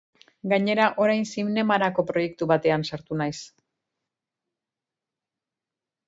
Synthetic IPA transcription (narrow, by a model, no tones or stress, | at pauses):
ɡaɲe̞ɾaʔo̞ɾajnsimne̞maɾako̞pɾo̞je̞k̚t̪uβat̪e̞ansaɾt̪unajs